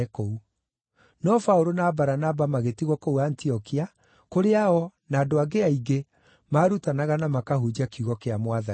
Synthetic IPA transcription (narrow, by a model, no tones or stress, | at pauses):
kou | nɔfaoɾonabaɾanabamaɣetiɣwɔkouantiɔkia | koɾeaɔnaːdoaɡeaiɡe | maːɾutanaɣanamakaɦud͡ʑakiuɣɔkeamwaða